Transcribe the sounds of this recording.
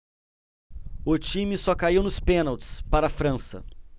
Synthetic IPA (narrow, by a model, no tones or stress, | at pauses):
ʊt͡ʃĩmɪsɔkaiwnʊspẽnawt͡ʃɪ̥spaɾɐafɾɐ̃sɐ̰